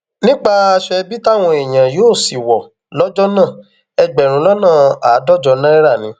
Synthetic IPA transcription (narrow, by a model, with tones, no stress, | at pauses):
nĩ˦k͡pa˧a˧ʃɛ˧bi˦ta˦˨w̃ɔ̃˧e˨j̃ã˨joː˦˨si˨wɔ˨ | lɔ˦d͡ʒɔ˦nã˦˨ | ɛ˧ɡ͡bɛ˨ɾ̃ũ˨˦lɔ˦nãː˦˨a˨˦dɔ˦˨d͡ʒɔ˧nã˦ɛ˦ɾa˦˨nĩ˨˦